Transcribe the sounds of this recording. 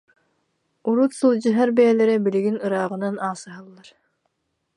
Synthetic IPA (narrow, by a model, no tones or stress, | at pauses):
uɾut̪sɯlˠd͡ʑɯɦaɾbɛɛlɛɾɛbiliɡinɯɾaːʁɯ̆nanaːsɯɦalˠːaɾ